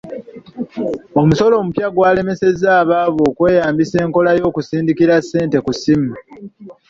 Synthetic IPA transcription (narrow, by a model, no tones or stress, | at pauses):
o̞muso̞lo̞ːmupjaɡwaːle̞me̞se̞zaːβaβo̞ːkwe̞ːjaːmbise̞ːŋko̞lajo̞ːkusiːndikiɾasːe̞ːnte̞kusim